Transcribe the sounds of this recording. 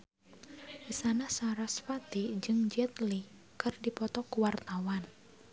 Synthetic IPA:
ʔisanasaɾasfat̪id͡ʒɨŋd͡ʒɛt̪li | kɨrdipɔt̪ɔkuwart̪awan

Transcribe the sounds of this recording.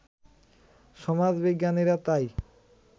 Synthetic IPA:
ʃɔmad͡ʑbiɡːaniɾat̪aj

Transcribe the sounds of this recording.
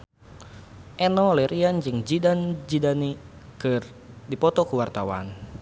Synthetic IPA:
ʔɛnɔlɛɾiand͡ʒɨŋd͡ʒidand͡ʒidanikɨr | dipɔt̪ɔkuwart̪awa̰n

